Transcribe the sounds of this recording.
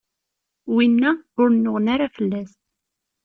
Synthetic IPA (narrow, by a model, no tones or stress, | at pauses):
winːæʊɾnːʊʁnaɾafəlːæst̪